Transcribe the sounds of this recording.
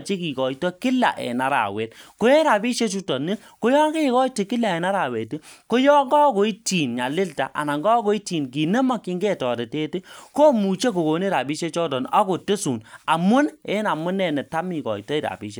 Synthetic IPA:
t͡ʃi˦ki˨kɔ˨i˨tɔ˦kɪ˦la̰˨ʔɛ̰˨na˦ɾa̰˨we˨tko˦e˦ɾa˨bi˦ʃe˦t͡ʃu˦tɔ˨nɪ˦ | ko˦jɔ˦ke˦˨kɔ˦i˦ti˨kɪ˦la˨ɛ˨na˦ɾa˨we˨ti˦ko˦jɔ˦ŋɡɔ˦ko˨˦i˦ti˨nɲa˨lɪ˦lta̰˨ʔa̰˨na˨ŋɡɔ˦ko˨˦i˦ti˨nki˨ne˦mɔ˦ki˦ŋɡe˦tɔ˨de˨te˦ti˦ko˦mu˨t͡ʃe˦ko˨ko˨ne˦ɾa˨bi˦ʃe˦t͡ʃɔ˦dɔ˨na˦ko˨te˦su˨na˨mʊ˦ne˦na˨mʊ˦nɛ˨nɛ˨ta˦mi˨kɔ̰˨i˨tɔ˦i˦ɾa̰˨bḭ˦ʃe˦

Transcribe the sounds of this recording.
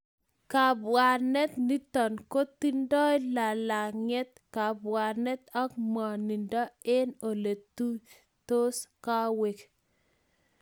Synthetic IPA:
ka˨bwa˨nɛ˦t̪ni˦t̪ɔ˨nko˦t̪i˦ndɔ˦jla˨la˨ŋɛ˦t̪̚ | ka˨ba˨ɾnɛ˦t̪ɔ˦k̚mɔ˨ni˨ndɔ˦e˦no˨le˨t̪u˦ | t̪o˦ska˦we˨k

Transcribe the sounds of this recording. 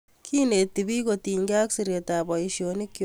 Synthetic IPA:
kʰi˦ne˨tibi˦koti˨ɲka˦ksiɾjetabɔ˨iʃjoni˦kj

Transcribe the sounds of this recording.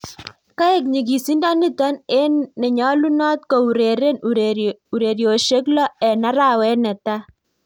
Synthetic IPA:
ka˦e˦k̬̚ɲi˨k̬i˨si˦nda˦nɪ˦ta˦ne˦nːe˨ɲɔ˦lu˦nɔ˦t̪̚kɔ˨u˨ɾe˨ɾe˦n | u˨ɾe˨ɾjo˨ʃe˦klɔ˦ɛ˨na˦ɾa˦˨wɛ˦nɛ˨ta˦

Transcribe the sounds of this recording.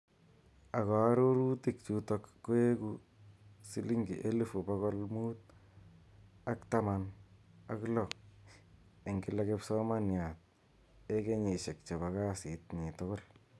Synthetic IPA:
a˨kɔ˨˦ɾo˦ɾu˦tik̚t͡ʃutɔkːu˦e˦ku | si˦li˦ŋɡḭ˨ʔe˦le˦fu˨pakɔ˦lmuː˦t̚ | akta˦ma˨na̰˦klɔ˨k̚ | e˨ŋɡɪ˦la˦kɪpsɔ˦ma˦njat̚ | e˦ke˦ɲe˨ʃe˨k̚t͡ʃɔ˨βaka˦sɪ˨t̚ɲi˨tʊkʊ˦l

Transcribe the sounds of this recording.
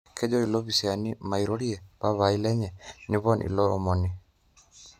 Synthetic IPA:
kʰe˦d͡ʒɔ˦i˨lɔ˦βi˨sianima˨iɾo˦ɾi˦ɛ˨pa˦βai˦lɛ˦ɲɛ˨nɪ˦βɔ˦nʔḭ˨lɔ̰ː˦mɔ˨ni˨

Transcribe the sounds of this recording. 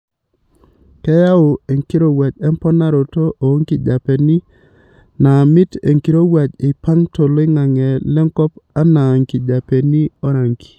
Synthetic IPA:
kɛ˦ja˦o˨e˨ŋki˦ɾo˦wa˨d͡ʒɛ˦mpɔ˦na˦ɾo˨to˦ʔo˨˦ŋki˨d͡ʒa˨pɛ˨ni˦ | na˨mi˦te˨ŋki˨ɾo˦wa˨d͡ʒe˨pa˦ŋto˨lɪ˦ŋa˨ŋɛ˨lɛ˦ŋkɔ˦pa˦na˨ŋki˨d͡ʒa˨pe˨ni˦ɔ˦ɾa˨ŋki̥˨

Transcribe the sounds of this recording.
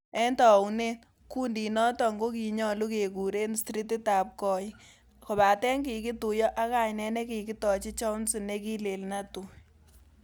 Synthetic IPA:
ɛ˦ntɔ˨wne˦n | ku˦ndi˨nɔ˦tɔ˨ŋɡo˦ki˨ɲɔ˦lu˦ke˨ku˨ɾe˦nstɾi˦ti˦ta˨p̚kɔ˦j | kɔ˨ba˨tɛ˦ŋki˨kɪ˦tu˨jɔ˦ʔa˦ka˨ɲnɛ˦nɛ˦ki˨kɪ˦tɔ˨t͡ʃi˦t͡ʃɔ˦wnsi˨ne˦ki˦le˨lna˦tu˨

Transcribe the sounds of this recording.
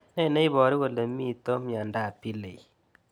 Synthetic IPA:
nɛ˦˨nɛ˦i˦bɔ˨ɾi˦we˨le˨mi˦˨to˦mja˨nda˦˨pi˦le˨i˨

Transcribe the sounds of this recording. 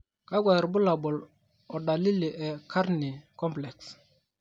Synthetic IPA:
ka˦ɡwa˨ɾbu˦la˨bɔ˨l | ɔ˨da˨li˦li˨ʔɛ˨kʰa˦ɾni˨kɔ˦mplɛ˨ks

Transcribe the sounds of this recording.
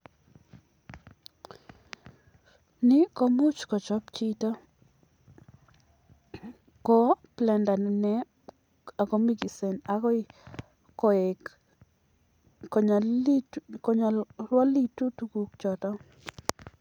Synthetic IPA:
nɪ˦kɔ˦mu˦t͡ʃkɔ˨t͡ʃɔ˦pt͡ʃi˦tɔ˦ | kɔ˦plɛ˨nda˨n˨nɛ˦ | a˨kɔ˦mi˦ɡi˨se˨na˨˦kɔ˦ɪ˦ | kɔ˨e˨k | ɔ˨ɲ | kɔ˦ɲa˨lwa˦li˦tu˦tu˦ku˨k̚t͡ʃɔ˨tɔ˦

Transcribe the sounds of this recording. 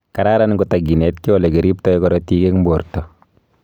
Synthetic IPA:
kaɾaɾanŋɡotaɡi˨nɛ˨t̚ki˦wɔ˨le˨ke˨ɾi˦p̚tɔ˦jkɔɾɔtike˦kmbo˨ɾtɔ˨

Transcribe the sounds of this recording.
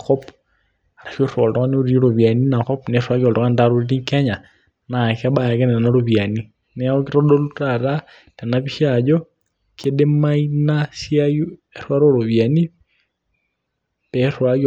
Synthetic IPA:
kɔ˦p | a˨ɾa˨ʃo˦ɾɔ˨ltɔ˦ka˦ne˦o˦ɾi˦ɾo˨βja˨ni˦na˨kɔ˦pneɾwa˦ɣɔ˨ldɔ˨ka˦nda˦ɾo˦ɾiɾi˦ŋka˦ɲa˨ | naka˦ba˨ja˨ke˦ne˨naɾoβja˨ni | ne˦oki˦ɾɔ˦do˦lutaɾa | te˨naβi˦ʃa˨d͡ʒɔ | kʰe˦de˦mainasjaju˦eɾwa˦ɾo˦ɾo˨βja˨ni˦ | peɾwa˦k

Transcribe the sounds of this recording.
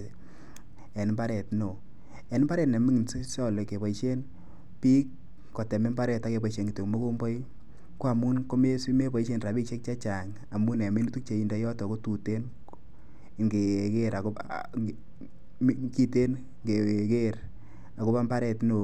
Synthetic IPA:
ɛ˨n˦mba˦ɾɛ˨tno˨ | ɛ˨nɪ˦mba˦ɾɛ˨tne˨mi˦ŋ˨nssɔ˦le˨ke˨pɔ˨ʃe˦n | pi˦kː | o˨tɛ˨me˦mba˦ɾɛ˨ta˦ke˨pɔ˨ʃe˨ŋɡi˨to˨kmo˦ko˦mbɔ˦j | ko˦a˨mu˦nko˦me˦si˦me˦pɔ˨i˦ʃe˦nra˨bi˦kʃe˦k̚t͡ʃa˦t͡ʃa˨ŋ | a˨mu˦nɛ˨me˦nu˦tu˦k̚t͡ʃe˨i˨nda˨˦jɔ˦tɔ˨ko˦tu˨te˦n | ŋɡe˨ke˦ɾa˨k | ki˦te˦n | ŋɡe˨ke˦ɾ | a˨ko˦pa˦mba˦ɾɛ˨tno˨

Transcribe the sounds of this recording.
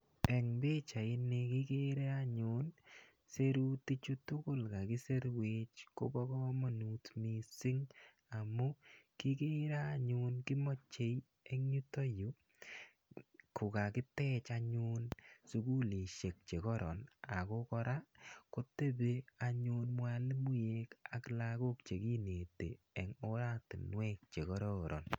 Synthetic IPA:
ɛ˨ŋbe˦t͡ʃa˨ɪ˦ne˦ki˦ke˦ɾe˦a˦ɲʊn | se˦ɾu˦ti˦t͡ʃu˦tʊ˦kʊ˦lka˨kɪ˦se˦ɾwet͡ʃko̰˦bɔ˦kɔ˦ma˨nu˨tmi˨sɪ˦ŋ | a˨mu˦ki˦ke˦ɾa˦a˦ɲʊnkɪ˦mɔ˦t͡ʃːe˨j | e˦ŋɲu˦to˦ju˨ | kʊ˨ka˨kɪ˦tɛ˦t͡ʃa˧ɲʊ˦nsu˨ku˦le˨ʃe˨k̚t͡ʃe˨kɔ˦ɾɔ˨na˨ko˦kɔ˧ɾa˦ko˦te˦be˦a˨ɲu˦nmwa˨le˦mu˦je˦ka˨kla˦ko˦kt͡ʃe˨ki˦ne˨te˨ | e˨ŋo˦ɾa˦tḭ˨nwɛ˦k̚t͡ʃe˨kɔ˦ɾɔ˦ɾɔ̰˨n

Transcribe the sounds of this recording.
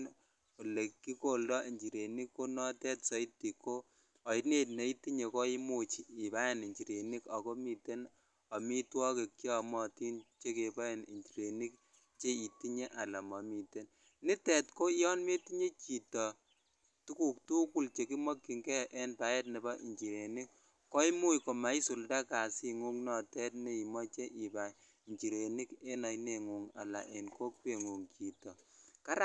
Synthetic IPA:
n | o˨le˨kːi˦ko˦˨ldɔ˦i˨ɲd͡ʒi˨ɾe˨ni˦kːo˦nɔ˦tɛ˦tsɔ˨˦i˦tːi˨kːo˦ | ɔ˨i˦tne˦tne˨i˦tːi˦ɲe˨kɔ˦i˦mo˦˨t͡ʃiː˨pa˦je˦˨ni˨ɲt͡ʃi˨ɾe˨ni˦ka˨ko˦mi˨te˦n | ɔ˨mi˦twɔ˦ke˨kt͡ʃi˦ɔ˨mɔ˨ti˦nt͡ʃe˦ke˨pa˦e˨nḭ˨ɲt͡ʃi˨ɾe˨ni˦k̚ | t͡ʃe˦i˨ti˦ɲe˦ʔa˨la˨mɔ˨mi˨te˦n | ni˦tɛ˨tko˦jɔ˦nme˦ti˦ɲe˦t͡ʃi˨tɔ˨ | tu˦ku˦k̚tu˦ku˦˨lt͡ʃe˨k̬i˦mɔ˦kːi˨ŋkɛ˦ʔɛ˦npa˨je˦t̚ne˨bɔ˦ʔḭ˨ɲt͡ʃi˨ɾe˨ni˦k | kɔ˦i˦mu˦jko˨ma˨i˦su˨lda˦ka˨si˦ŋu˦ŋnɔ˨tɛ˦t̚ne˦i˨mɔ˦t͡ʃe˦ʔi˨pa˨ | i˨ɲt͡ʃi˨ɾe˨ni˦ke˦na˨jne˦˨ŋu˨ŋa̰˨la̰˨ʔe˨nko˦kwe˨ŋu˨ŋki˨tɔ˨ka˦ɾa˦

